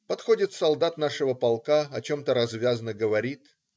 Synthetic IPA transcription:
pɐt̪xo̞dʲɪt̪sɐlˠd̪at̪naʂɨvəpɐlˠkaɐt͡ɕo̞mt̪əɾɐzvʲazənəɡəvɐɾʲit̪

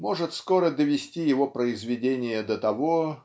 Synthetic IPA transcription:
mo̞ʐɨt̪sko̞ɾəd̪əvʲɪsʲtʲijɪvopɾəɪzvʲɪdʲenʲɪjəd̪ət̪ɐvo

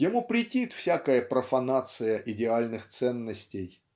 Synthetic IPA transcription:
jɪmupɾʲɪtʲit̪fsʲakəjəpɾəfɐnat̪sɨjəʔɪdʲɪalʲnɨxt̪sɛnːəsʲtʲej

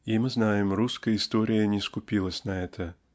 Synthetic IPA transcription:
imɨznajɪmruskəjɪst̪oɾʲɪjənʲɪskʊpʲilˠəsʲnɐɛt̪ʰə

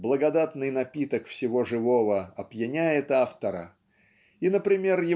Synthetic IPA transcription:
blˠəɡɐd̪at̪nɨjnɐpʲit̪əkfsʲɪvo̞ʐɨvo̞vəɐbjɪnʲæjɪt̪aft̪əɾə̰ | inəpɾʲɪmʲe̞rjɪ

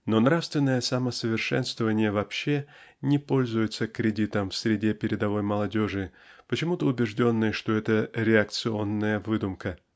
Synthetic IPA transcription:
no̞nɾafst̪vʲɪnːəjəsaməsəvʲɪrʂɛ̰nst̪vəvənʲɪjəvɐpɕːe̞nʲɪpo̞lʲzʊjɪt̪səkɾʲɪdʲit̪əmfsʲɾʲɪdʲe̞pʲɪɾʲɪd̪ɐvo̞jməlˠɐdʲo̞ʐɨ | pət͡ɕɪmut̪əʊbʲɪʐdʲo̞nːɨjəʂt̪o̞ɛt̪əɾʲɪɐk̚t̪sɨo̞nːəjəvɨd̪ʊmkə

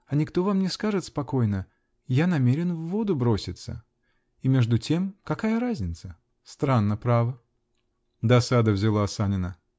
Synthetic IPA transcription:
ɐnʲɪkt̪o̞vamnʲɪskaʐɨt̪spɐko̞jnə | janɐmʲeɾʲɪnvːo̞d̪ʊbɾo̞sʲɪt̪sə̰ | imʲe̞ʐd̪ʊtʲʰe̞mkɐkajəɾazʲnʲɪt̪sə | st̪ɾanːəpɾavə | d̪ɐsad̪əvzʲɪlˠaːsanʲɪnə

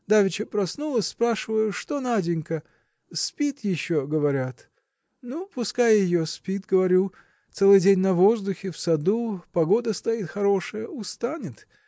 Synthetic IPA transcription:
d̪avʲɪt͡ɕəpɾɐsnulˠəsʲspɾaʂɨvəjʊʂt̪o̞nadʲɪnʲkə | spʲit̪jɪɕːoɡəvɐɾʲat̪ | nupʊskajəjɪjospʲit̪ɡəvɐɾʲu | t̪sɛlˠɨjdʲenʲnɐvo̞zd̪ʊxʲɪfsɐd̪upɐɡo̞d̪əst̪ɐit̪xɐɾo̞ʂɨəjəʊst̪anʲɪt̪

